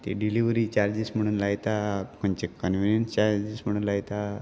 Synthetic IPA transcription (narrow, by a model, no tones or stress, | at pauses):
t̪eɖiliʋɾit͡ɕaɾd͡ʑism̤əɽ̃uːnlaɡt̪akont͡ɕekənʋinjənst͡ɕaɾd͡ʑism̤əɽ̃uːnlat̪a